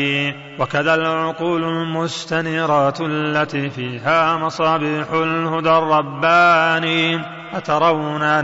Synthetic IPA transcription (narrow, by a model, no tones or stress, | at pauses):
wakaðalʕʊquːlʊlmʊst̪anɪɾɑːt̪alːat̪iːfiːɦaːmɑsˤɑːbiːħʊlhʊd̪arˤːɑbːaːni | ʔat̪ɑɾˤɑwna